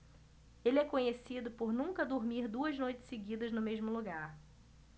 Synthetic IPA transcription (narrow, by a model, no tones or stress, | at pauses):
elɪɛkõɲesid̪ʊpoɾnũŋkɐd̪oɾmiɾd̪uɐznojt͡ʃɪ̥seɡid̪ɐznʊmeʒmʊluɡaɾ